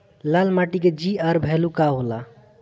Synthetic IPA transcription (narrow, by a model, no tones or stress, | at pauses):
lalmaʈiked͡ʒiəɾbʱɛlukaɦola